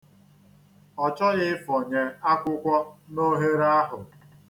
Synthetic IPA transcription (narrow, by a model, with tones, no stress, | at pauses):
ɔ˨t͡ʃɔ˦ɣɪ˦fɔ˨ɲe˨a˦kʷʊ˦kʷɔ˦no˦ɦe˦ɾa˦ɦʊ˨